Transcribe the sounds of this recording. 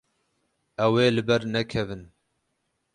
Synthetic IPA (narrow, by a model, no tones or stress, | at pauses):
ɛweːlɨbɛɾnɛkʰɛvɨn